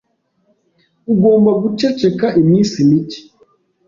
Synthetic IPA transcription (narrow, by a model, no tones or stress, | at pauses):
uɡo̞ːmbaɡut͡ʃet͡ʃekaʔimɲiːsimici̥